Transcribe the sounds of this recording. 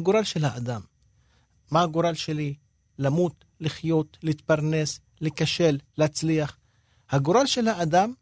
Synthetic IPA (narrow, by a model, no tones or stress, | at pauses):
ɡoɾalʃelhaad̪amː | ahaɡoɾalʃeli | lamut̪ | liχjo̞t̪liit̪̚paʁne̞s | likaʃe̞lːeat͡sliaχ | haɡoɾalʃe̞lhaːd̪am